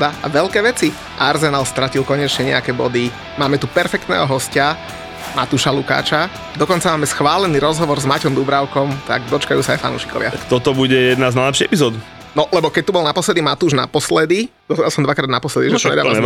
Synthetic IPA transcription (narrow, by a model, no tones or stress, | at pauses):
d̪aa̰ʋɛʎkɛːʋɛt͡si | ʔaɾzɛnalst̪ɾacilkɔɲɛt͡ʃɲɛɲɛ̰akɛːbɔd̪i | maːmɛt̪upɛɾfɛkt̪nɛ̰ːɦɔɦɔsca | ma̰t̪uʃaluka̰ːt͡ʃa | d̪ɔkɔnt͡samaːmɛsxʋaːlɛniːɾɔzɦɔʋɔɾzmacɔmd̪ubɾaʊkɔmt̪a̰ɡd̪ɔt͡ʃkajuːsaajfa̰nṵːʃi̥kɔ̰ʋɪa̰kt̪ɔt̪ɔbuɟɛjɛd̪naznajlɛpʃiɛpizɔːd̪u | nɔlɛbɔkɛc̚t̪ubɔlnapɔslɛd̪imat̪uːʒna̰pɔslɛd̪id̪ɔzd̪alsɔmd̪ʋakɾaːd̪napɔslɛd̪iʒɛɲɛd̪a